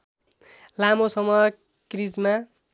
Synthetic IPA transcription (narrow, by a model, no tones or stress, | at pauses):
lamosʌmʌ | krid͡zma